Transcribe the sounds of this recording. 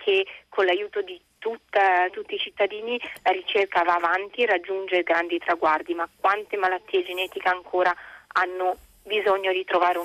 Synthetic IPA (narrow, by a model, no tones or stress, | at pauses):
kʰekʰːonlajuːt̪od̪it̪ut̪ːat̪ut̪ːiːt͡ʃit̪ːad̪iːnilaɾit͡ʃerkavaːvant̪ierad͡ʒːund͡ʒeɾɡɾand̪it̪ɾaɡward̪imakːwant̪emalat̪ːiːed͡ʒenɛːt̪ikeaŋkʰoːɾaanːo | bizoɲːod̪it̪ɾovaːɾe